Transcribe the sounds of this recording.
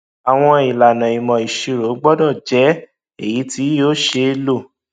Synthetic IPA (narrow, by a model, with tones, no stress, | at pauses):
a˨w̃ɔ̃˧i˨la˨nã˨i˨mɔ̃˨i˨ʃi˨ɾo˨˦ɡ͡bɔ˦dɔ˦˨d͡ʒɛ˨˦ | e˨ji˨˦ti˨˦joː˦˨ʃe˧lo˦˨